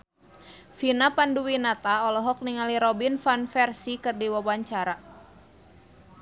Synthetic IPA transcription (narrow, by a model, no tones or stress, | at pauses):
finapanduwinat̪aɔlɔɦɔk̚niŋaliɾɔbinfanfɛrsikɨrdiwawaɲt͡ʃaɾa